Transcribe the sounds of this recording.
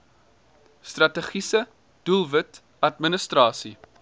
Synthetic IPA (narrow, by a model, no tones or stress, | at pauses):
strɐtəχisə | d̥ulˠvət | ɐtmənəstrɑːsḭ